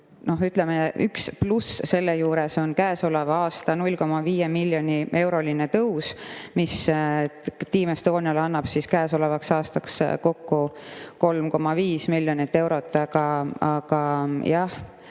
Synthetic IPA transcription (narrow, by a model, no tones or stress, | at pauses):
no̞ɦyt̪lemeʔyksplusse̞lːejuːɾe̞so̞nkæːso̞levɑɑːst̪ɑnulʲːko̞mːɑviːjemiljo̞niʔe̞wɾo̞linet̪ɤwsmis | t̪iːmest̪o̞ːnʲiɑlɑnːɑb̥siskæːso̞levɑksɑːst̪ɑksko̞kːuko̞lmko̞mːɑviːsmilʲːjonit̪ːe̞wɾo̞t̪ˑːɑɡ̥ɑɑɡ̥ɑjɑh